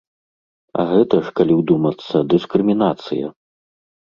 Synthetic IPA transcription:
ɐ̰ɣɛt̪ɐʂkalʲiwd̪umɐt̪sːɐd̪ɨskɾɨmʲinat̪sɨjɐ̰

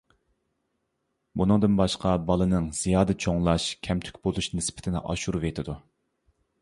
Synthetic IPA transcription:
bunɨŋd̪ɨnbɑʃqɑbɑlˠɨnɨŋz̥ijɑːd̪ɨt͡ʃʰoŋlˠɑʃkʲʰɛmt̪ʰy̥kʲbolˠuʃnɪspʰɪ̥t̪ʰɪnɪ̰ʔɑʃuɾvet̪ʰɪd̪u

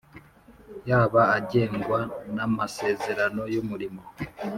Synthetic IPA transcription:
jaːβaːɟe̞ːŋɡwanamase̞ːze̞ɾano̞jumuɾimo̞

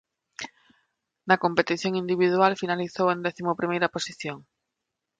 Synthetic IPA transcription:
nɐkompet̪iθjõŋind̪iβiðwalfinaliθowẽnd̪ɛθimopɾimejɾɐposiθjoŋ

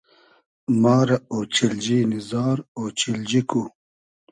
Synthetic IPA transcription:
mɑːɾɐoːt͡ɕild͡ʑiːnizɑːɾoːt͡ɕild͡ʑiku

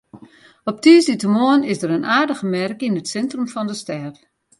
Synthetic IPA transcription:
ɔp̚tiəsditəmoənɪsdəɾənʔaːrdəxəmɛrkinətsɛntrumfɔndəstɛt

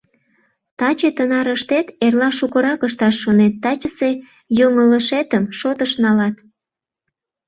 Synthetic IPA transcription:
t̪ɑt͡ɕet̪ənɑɾəʃt̪et̪erlɑʃukəɾɑkəʃt̪ɑʃːonet̪ːɑt͡ɕəse | joŋələʃet̪əmʃot̪əʃnɑlɑt̪

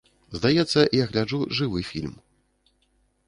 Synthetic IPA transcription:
zd̪ajɛt̪sːɐjaɣlʲad͡ʐuʐɨvɨfʲilʲm

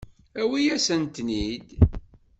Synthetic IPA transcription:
æwijæsənt̪nid̪

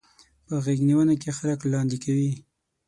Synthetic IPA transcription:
pəɣeɡniwənakexaɾaklɑnd̪ikawi

